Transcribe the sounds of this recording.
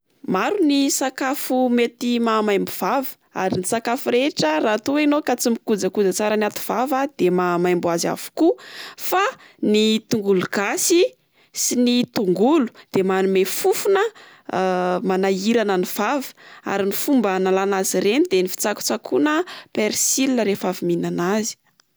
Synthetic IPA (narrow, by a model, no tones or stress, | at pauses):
maɾunisakafumet̪imamajmbuv̥avə̥ | a̰ɾinisakafuɾeʈ͡ʂərat̪uenokat͡simikud͡zəkud͡zat͡saɾənat̪u̥v̥avad̪̥emamajmbuaza̰vu̥kufa | nit̪uŋɡuluɡasi | sinit̪uŋɡulu̥d̪̥emanumefufunə | manaiɾanəniv̥avə̥a̰ɾinifumbənalanaziɾenid̪enifi̥t͡saku̥t͡sakʰunəpeɾsilinəɾefaviminanazi̥